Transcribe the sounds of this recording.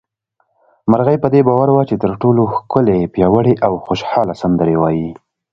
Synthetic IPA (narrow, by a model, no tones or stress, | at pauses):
maɾɣajpəd̪ebɑwaɾwat͡ʃet̪əɾʈoloxkʊlepjɑwəɽeʔawxoʃhɑlasand̪əɾewɑji